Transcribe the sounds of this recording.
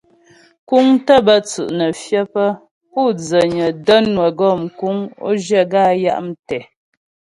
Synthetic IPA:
ku˦ŋtə˦bə˦t͡sʉ˨ʔnə˨fjə˦pə˦ | pu˦˨d͡zə˨ɲə˨də˦nwə˨ɡɔ˦˨mku˨˦ŋo̰˦d͡ʒə˦˨ɡa˦˨ja̰˦ʔm˦tɛ˨

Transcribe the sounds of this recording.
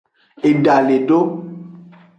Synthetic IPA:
e˨ɖa˨le˨ɖo˦

